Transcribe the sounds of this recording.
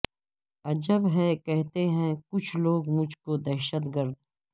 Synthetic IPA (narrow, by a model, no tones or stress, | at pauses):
ɐd͡ʒəbɦɛkɛɦt̪eɦɛ̃kʊt͡ʃʰloːɡmʊd͡ʒʱkod̪ɛːʃət̪ɡəɾd̪